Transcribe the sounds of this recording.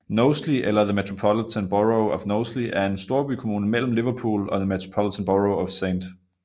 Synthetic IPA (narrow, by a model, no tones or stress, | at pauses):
noʊsliʔelɐðəmet͡sʰʁopʰɒlit͡sʰənb̥ɒʁoʊɒʋnoʊsliʔæɐe̝nsd̥o̝ɐb̥ykʰomuːnəmel̰m̩liʋɐpʰṵːlɒ̽ðəmet͡sʰʁo̝̥pʰɒlit͡sʰɛnb̥ɒʁoʊɒʋsend̥